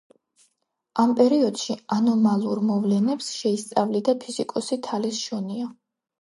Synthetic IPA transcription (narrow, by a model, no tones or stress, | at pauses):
ampʼɛɾiɔd̪̥ʃianɔmalˠuɾmɔvlɛnɛpsʃɛist̪sʼavlid̪apʰizikʼɔsit̪ʰalisʃɔnia